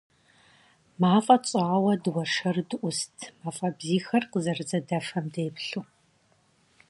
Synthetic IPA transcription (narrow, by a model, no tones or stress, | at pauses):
maːfʼɐt͡sʼaːwɐdɨwɐʂɐrdɨʔʷʊstʰmaːfʼɐbziːxɐrqəzɐrɨzɐdɐfɐmdeːpɬu